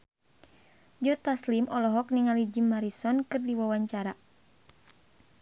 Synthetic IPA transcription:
d͡ʒɔt̪aslimʔɔlɔɦɔk̚niŋalid͡ʒimaɾisɔnkɨrdiwawaɲt͡ʃaɾa

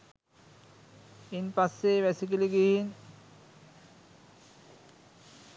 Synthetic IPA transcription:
inpasːeʋɛsik̬iliɡihin

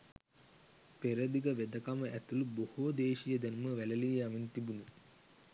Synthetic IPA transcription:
peɾəd̪iɡəʋed̪əkaməʔæt̪ulubohud̪eːʃijəd̪ænuməʋæləlijamint̪ibunu

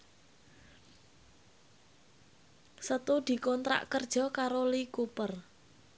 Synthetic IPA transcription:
sət̪ud̪̥i̤kɔnt̪ɾa̰ʔkərd̥ʒ̥ɔ̤kaɾolikupər

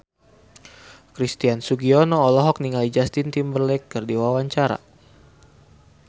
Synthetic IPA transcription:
kɾist̪iansuɡiɔnɔːlɔɦɔk̚niŋalid͡ʒast̪int̪imbərlɛkːərdiwawaɲt͡ʃaɾa̰

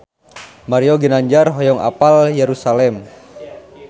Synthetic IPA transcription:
maɾioɡənaɲd͡ʒarɦɔjɔŋa̰paljeɾusalɛm

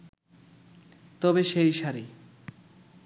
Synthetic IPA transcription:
t̪ɔbeʃejʃaɾi

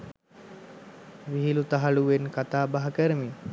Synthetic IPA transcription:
ʋiɦilut̪aɦaluʋenkat̪aːbaɦakəɾəmi

